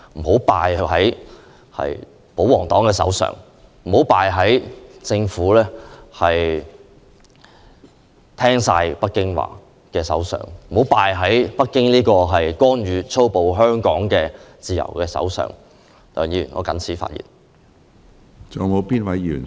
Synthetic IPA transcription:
m̩˨˩ho˨˥wpaː˨jhɐ˨˥j | hɐ̰˨j | po˨˥wɔː˨˩ŋt̪ɔː˨˥ŋkɛː˧sɐ̰˨˥wsœ̰ː˨ŋ | m̩˨˩ho˨˥wpaː˨˧jɦɐ˨˥jt͡sɪ˧ŋfuː˨˥lɛː˥hɐ˨j | t̪ʰɛː˥ŋsaː˧jpɐ˥t̚kɪ˥ŋwa̰ː˨ | kɛː˧sɐ̰˨˥wsœ̰ː˨˩ŋm̩˨˩hwpaː˨˧jɦɐ˨˥jpɐ˥t̚kːɪ˥ŋnliː˥kɔː˧ɦɐ˨jkʷɔː˥nɥyː˨˧t͡sʰo˥wpo˨wɦœː˥ŋkɔː˨˥ŋkɛː˧t͡siː˨˧jɐ̰˨˩wkɛː˧sɐ̰˨˥wsœ̰ː˨˩ŋ | t̪ɐ̰˨˩ŋjiː˧ŋɔ̰ː˨˧kɐ̰˨˥nt͡sʰiː˨˥fa̰ː˧t̚jḭː˨˩n | t͡sɔː˨˧ŋmo˨˧wpiː˥nwɐ˨˦jjyː˨˩n

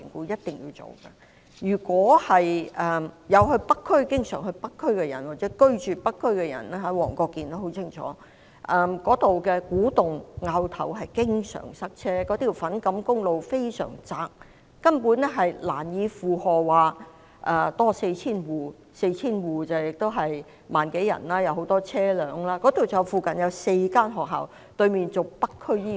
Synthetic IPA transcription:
ŋkuː˨˧jɐ˥t̚t̪ɪ˨ŋjḭ˧t͡so̰˨wkɐ˧ | jyː˨˩kwɔː˨˥hɐ˨jʔɛ˨mjɐ˨˧whɵ˧ɥpɐ˥kʰːɵ˥ɥkɪ˥ŋsœː˨˩ŋɦɵ˧ɥpɐ˥kʰːɵ˥ɥkɛ˧jɐ˨˩nwaː˨˩k̚t͡sɛː˨˥kɵ˥ɥt͡ʃyː˨pɐ˥kʰːɵ˥ɥkɛ˧jɐ̰˨˩nɛː˥ɦɐ˨˥wɔ̰ː˨˩ŋkɔː˧kːiː˨nt̪o˧˥ɦo˨˥wt͡sʰɪ˥ŋt͡ʃʰɔ̰ː˨˦ | ʔɐ˧mkɔː˨˥t̪o˨wkɛ˧kuː˨˥t̪ʊ˨ŋŋaː˧wt̪ʰɐ̰˨˩wɦɐ˨jkɪ˥ŋsœ̰ː˨˩ŋsɐ˥k̚t͡sʰɛː˥kɔː˨˥t̪ʰiː˨˩wfɐ˨˥nkɐ˨˥mkʊ˥ŋlo˨˧wfe˥jsœ̰ː˨˩ŋt͡saː˧k̚ː | ɐ˥npuː˨˥nɛ˥ɦɐ˨jla̰ː˨˩njiː˨˧fuː˨hɔː˨waː˨˧ | ʔɐː˨˩t̪ɔː˥se˧jt͡sʰiː˥nwuː˨˩ | se˧jt͡sʰiː˥nwuː˨˩t͡sɐ˨˩wjɪ˨k̚t̪o˥wɦɐ˨j | maː˨nke˨˥jɐ̰˨˩naː˥jɐ˨˧who˨˥wt̪ɔː˥t͡sʰɛː˥lœː˨˧ŋlaː˥kɔ˨˥t̪o˨wt͡sɐ˨˩wfuː˨˩kɐ˨njɐ˨˧˥wse˧jkaː˥nɦɔː˨k̚ɦa̰ː˨˩w | t̪ɵ˧ɥmiː˨nt͡sʊ˨k̚pɐ˥kʰːɵ˥jiː˥

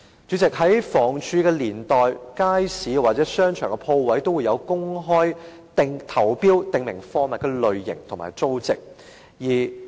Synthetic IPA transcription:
t͡ʃyː˨˥t͡sɪ˨k̚hɐ˨˥jfɔː˨˩ŋt͡ʃʰyː˧kɛː˧liː˨˩nt̪ɔː˨˩jkaː˥jsiː˨˥waː˨t̚t͡sɛː˨˥sœː˥ŋt͡ʃʰœː˨˩ŋkɛ˧pʰo˧wwɐ˨˥jt̪o˥wu˨˧jɐ˨˧wkʊ˥ŋɦɔː˥j | t̪ɪ˨ŋt̪ʰɐ˨˩wpiː˥wt̪ɪ˨ŋmɪ˨˩ŋfɔː˥ŋmɐ˨kɛ˧lɵ˨ɥːɪ̰˨˩ŋt̪ʰʊ˨˩ŋma̰ː˨˩jt͡so˥wt͡sɪ˨k̚ | jiː˨˩

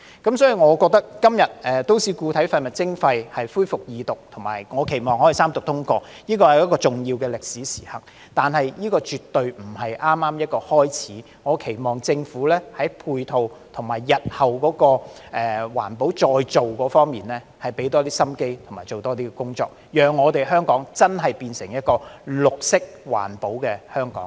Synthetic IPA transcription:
kɐ˨˥msɔː˨˥ji˨ŋɔː˨˧kɔː˧k̚t̪ɐ˥k̚ːɐ˥mjɐ˨t̚ʔɛː˨t̪o˥wsiː˨˧kuː˧t̪ʰɐ˨˥jfɐ˧jmɐ˨t̚t͡sɪ˥ŋfɐ˧jhɐ˨jfuː˥jfʊ˨k̚jiː˨˧t̪ʊ˨k̚t̪ʰʊ˨˩ŋmaː˨˩jŋɔː˨˧kʰe˨˩jmɔː˨˩ŋhɔː˨˥ji˨˩saː˥mt̪ʊ˨k̚t̪ʰʊ˥ŋkɔː˧ | jiː˥kɔː˧hɐ˨jɐ˥kːɔː˧t͡sʊ˨˩ŋjiː˧wkɛː˧lɪ˨k̚siː˨˥siː˨˩hɐ̰˨k̚ | t̪aː˨nhɐ˨jjiː˥kɔː˧t͡ʃyː˨t̪ːɵ˧ɥm̩˨˩hɐ˨jʔaː˥mːaː˥mjɐ˥t̚kɔː˧hɔː˥jt͡sʰiː˨˥ | ŋɔː˨˧kʰe˨˩jmɔː˨˩ŋt͡sɪ˧ŋfuː˨˥lɛː˥hɐ˨˥jpʰuː˧jt̪ʰo˨wt̪ʰʊ˨˩ŋmaː˨˩jːɐ˨t̚hɐ˨wkɔː˨˥kɔː˧ʔɛː˨wa̰ː˨˩npo˨˥wt͡ʃɔː˧jt͡so˨wkɔː˨˥fɔː˥ŋmiː˨nlɛː˥ | hɐ˨jpe˨˥jt̪ɔː˥t̪iː˥sɐ˥mke˥jt̪ʰʊ˨˩ŋmaː˨˩jt͡so˨wt̪ɔː˥t̪iː˥kɛ˧kʊ˥ŋt͡sɔ̰ː˧k̚jœː˨ŋːɔː˨˧t̪e˨jɦœː˥ŋkɔː˨˥ŋt͡sɐ˥nɦɐ˨jpiː˧nsɪ˨˩ŋjɐ˥t̚kɔː˧lʊ˨k̚sɪ˥k̚wa̰ː˨˩npo˨˥wkɛː˧hœː˥ŋkɔ̰ː˨˦ŋ

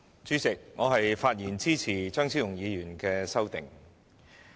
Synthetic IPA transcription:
t͡syː˥st͡sɪ˨k̚ŋɔː˨˧ɦɐ˨jfaː˧t̚jiː˨˩nt͡siː˥t͡sʰiː˨˩t͡ʃœː˥ŋsʰiː˥wjʊ˨˩ŋjiː˨˧jyː˨˩nkɛː˧sɐ˥wt̪ɪ̰˨˩ŋ

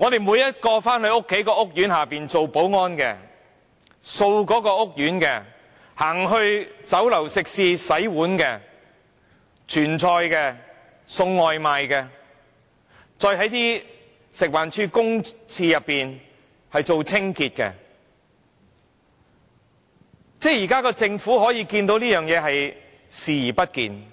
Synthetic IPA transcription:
ŋɔː˨˧d̪e˨jmuː˨˧jɐ˥t̚kɔː˧faː˥nhɵ˧ɥʊ˥kʰːe˨˥jkɔː˧ʔʊ˥k̚jyː˨˥nhaː˨˩piː˨nt͡so˨wpo˨˥wŋɔː˥nkɛː˧ | so˧wkɔː˨˥kɔː˧ʊ˥k̚jyː˨˥nkɛː˧ | haː˨˩ŋɦɵ˧ɥt͡sɐ˨˥wlɐ˨˩wsɪ˨k̚siː˧sɐ˨˥jwuː˨˥nkɛː˧ | t͡ʃʰyː˨˩nt͡sʰɔː˧jkɛː˧ | sʊ˧ŋːɔː˨jmaː˨jkɛː˧ | t͡sɔː˧jɦɐ˨˥jt̪iː˥ | sɪ˨k̚waː˨˩nt͡ʃʰyː˧kʊ˥ŋt͡sʰiː˧jɐ˨pːiː˨n | hɐ˨jt͡so˨˧wt͡sʰɪ˥ŋkiː˧t̚kɛ̰ː˧ | t͡sɛː˥jiː˨˩kaː˥kɔː˧t͡sɪ˧ŋfuː˨˥hɔː˨˥jiː˧kiː˧nt̪o˧˥wliː˥jœː˨ŋjɛː˨˧ɦɐ˨j | siː˨jiː˨˩pɐ˥t̚kḭː˨˧n

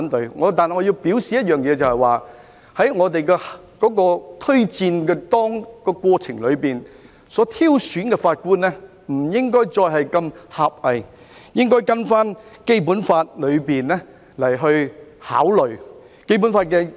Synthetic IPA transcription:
nt̪ɵ˨˧ɥŋɔ̰ː˨˧t̪aː˨nhŋɔ˨˧ji˧wpiː˨˥wsiː˨jɐ˥t̚jœː˨ŋjɛː˨˧t͡sɐ˨whɐ˨jwaː˨ | hɐ˨˥jŋɔː˨˧t̪e˨jkɛː˧h | kɔː˨˥kɔː˧t̪ʰɵ˥ɥt͡siː˧nkɛː˧t̪ɔː˥ŋkɔː˧kʷɔː˧t͡sʰɪ˨˩ŋlɵ˨˧ɥpiː˨n | sɔː˨˥t̪ʰiː˥wsyː˨˥nkɛ˧faː˧t̚kuː˥nːɛ˥ | m̩˨˩jɪ˥ŋkɔː˥jt͡sɔː˧jɦɐ˨jkɐ˧mhaː˨p̚hɐ˨j | jɪ˥ŋkɔː˥jkɐ˥nfaː˥nke˥jpuː˨˥nfaː˧t̚lɵ˨˧ɥpiː˨nlɛ˥ | lɐ˨˩jɦɵ˧ɥha̰ː˨˥wlɵ˨˩ɥ | ke˥p̬u˨˥nfaː˧t̚kɛː˧

